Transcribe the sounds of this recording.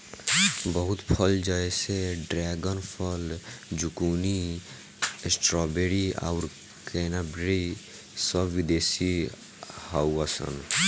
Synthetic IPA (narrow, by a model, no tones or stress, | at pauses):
bəɦʊt̪pʰəld͡ʒaeseɖɾɛːɡənpʰəld͡ʒukuːni | esʈɾɔːbeɾia̰ʊɾ | kɛnabɾi | səbʋɪd̪eːsi | hawasə̰n